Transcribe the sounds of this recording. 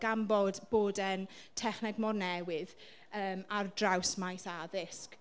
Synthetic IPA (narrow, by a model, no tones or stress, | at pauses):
ɡ̥ambɔdb̥oːdɛntʰɛχnɛɡmɔrnɛwɪð | əːmardrawsmajsaðɪsk